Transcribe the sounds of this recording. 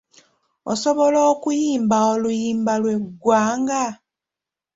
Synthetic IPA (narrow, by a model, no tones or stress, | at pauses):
o̰so̞βo̞loːkujiːmbaolujiːmbalwe̞ɡːwaːŋɡa